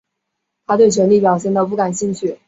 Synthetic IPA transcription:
t̪ʰa˥t̪we˥˩ɪt͡ɕʰɥɛ˧˥nli˥˩p̬jɑ˨˩ʊɕjɛ˥˧nt̪ɑ˥˧ʊp̬u˥˩ka˨˩nɕi˥˧ŋt͡ɕʰy˥˩

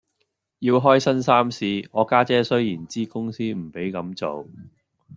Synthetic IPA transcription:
jiː˧wɦɔː˥jsɐ˥nsaː˥msiː˧ŋɔː˨˧kaː˥t͡sɛː˥sɵ˥ɥjiː˨˩nt͡siː˥kʊ˥ŋsiː˥m̩˨˩pe˨˥jkɐ˨˧˥mt͡so˨w

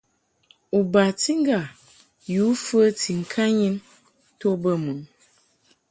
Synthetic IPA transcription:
u˨ba˨ti˦ŋ̩˦ɡa˨ | ju˨˦fə˦ti˨ŋ̩˨kʰa˦ɲi˦n | to˦bə˦mu˨ŋ

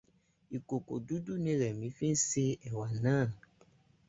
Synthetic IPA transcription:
i˨ko˨ko̰˨du˦du˦nẽ˦ɾɛ˨mĩ˨˦fĩ˦se˦ɛ˨wa˨nã˦˨n

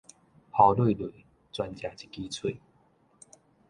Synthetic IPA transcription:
ha˨˧˩lwe˥˨lwe˨˩˦ | t͡swa˧nt͡ɕja˨˧˩t͡ɕi̥˦ki˦t͡sʰwe˥˨

